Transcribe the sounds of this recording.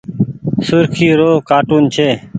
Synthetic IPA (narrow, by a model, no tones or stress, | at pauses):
sʊɾkʰiːɾoːɦkaːʈuːnt͡ʃʰeː